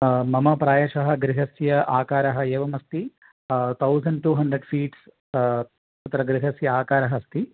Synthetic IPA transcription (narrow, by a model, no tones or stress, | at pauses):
mɐmɐpɾaːjɐʃɐɦɐɡɾiɦɐsjɐʔaːkaːɾɐɦɐeːʋɐmɐst̪i | t̪ʰɐwzɐɳɖ̚ʈuːɦɐɳɖɾeɖfiːʈs | ɐt̪ɾɐɡɾiɦɐsjɐaːkaːɾɐɦɐst̪i